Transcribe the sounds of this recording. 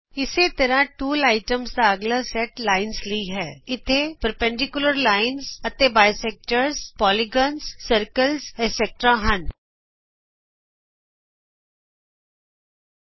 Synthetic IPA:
ɪset̪əɾãːʈuːlaːɪʈəmsd̪aːəɡlaːsɛʈlaːɪnsliiɦɛːɪt̪ʰːeːpəɾpɛ̃ɳɖɪkjʊləɾlaːɪnsət̪ebaːjsɛːk̚ʈəɾzpɔːliɡɔːnssəɾkəlzɛsɛk̚ʈɾaːɦən

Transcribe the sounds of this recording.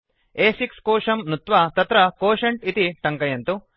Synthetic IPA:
eːsikskoːʂɐmnut̪ʋɐt̪ɐt̪ɾɐkoːʃɐɳʈit̪iʈɐŋkɐjɐnt̪u

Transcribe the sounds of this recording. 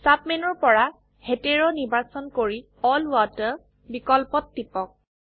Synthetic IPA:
sapmɛnɔɹpɔɹa | heteɹɔniɹbasɔnkoɹi | ɔlwatə | bikɔlpɔtːipɔk̚

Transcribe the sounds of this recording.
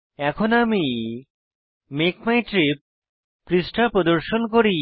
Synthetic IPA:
ɛkʰonami | mekmajʈɾip̚ː | ɾisʈʰapɾod̪oɾʃonkoɾi

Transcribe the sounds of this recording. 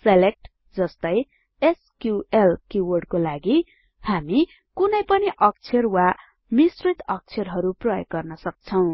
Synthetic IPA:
selek̚ʈ | d͡zʌst̪ʌj | eskjuelkjuwʌrɖkolaɡi | hami | kunʌjpʌniʔʌk̚t͡sʰʌrwa | misrit̪ʌk̚t͡sʰjʌrɦʌɾuprʌjʌ̰ɡɡʌrnʌsʌk̚t͡sʰʌw̃

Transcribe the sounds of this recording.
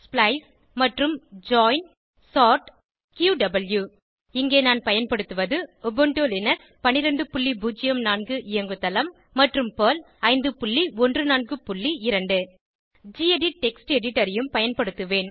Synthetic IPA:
splɐɪs | mɐʈrɯmd͡ʒaːjn | saːɾʈ | kjuːɖɐbɐlju | ɪŋɡeːnaːnpɐjɐnpɐɽɯt̪ːɯʋɐðɯɔbɔɳʈoːlɛnɐɾ | pɐnːɪɾɐɳɖɯpʊɭːibuːd͡ʒɪjɐmnaːnɡɯʔɪjɐŋɡɯt̪ːɐlɐmːɐʈrɯmpoːlɐɪnd̪ɯpʊɭːiɔndrɯnaːnɡɯpʊɭːiɪɾɐɳɖɯ | d͡ʒieɖiʈɛksʈɛɽɪʈːɐɾɪjɯmpɐjɐnpɐɽɯt̪ːɯʋeːn

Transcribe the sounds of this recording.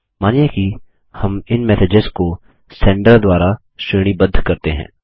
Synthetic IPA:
maːnijeki | hɐmɪnmɛːsɪd͡ʒɪzko | sɛ̃ːɳɖəɾd̪waːɾa | ʃeːɽ̃ibɐd̪ʱkɐɾt̪eɦɛ̰̃ː

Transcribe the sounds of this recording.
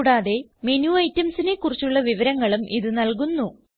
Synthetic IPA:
ɽaːðe̞me̞njuɐjtːɐmsine̞kːurit͡ɕːuɭːɐʋiʋɐɾɐŋːɐɭumʔiðɨnɐlkunːu

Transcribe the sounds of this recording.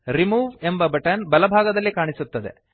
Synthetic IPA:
ɾimuːʋe̞mbɐbɐʈɐnbɐlɐbʱaːɡɐd̪ɐlːikaːɳisut̪ːɐd̪e̞̰

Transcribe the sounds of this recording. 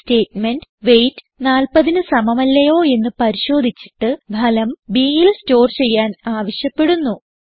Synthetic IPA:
ste̞ːtme̞nɖʋe̞jtːɨnaːlpɐðinɨsɐmɐmɐlːɐjo̞ːe̞nːɨpɐɾiɕo̞ːd̪ʱit͡ɕːi̥ʈːɨbʱɐlɐmbiːjilsto̞ːrt͡ɕe̞jːaːnaːʋɐɕjɐpːe̞ɽunːu

